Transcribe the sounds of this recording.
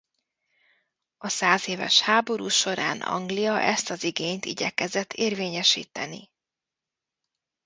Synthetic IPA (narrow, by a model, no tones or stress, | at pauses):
ɒsaːzeːvɛ̰ʃhaːbo̞ɾṵːʃo̞ɾa̰ːnɒ̰ŋɡlijɒʔɛst̪ɒziɡeːɲt̪ḭɟɛkɛzɛt̪ʰːeːrveːɲɛʃḭːt̪ɛnḭ